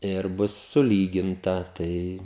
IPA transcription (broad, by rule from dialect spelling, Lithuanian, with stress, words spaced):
ɪr ˈbʊs sʊˈlʲiːɡʲɪntɐ ˈtɐɪ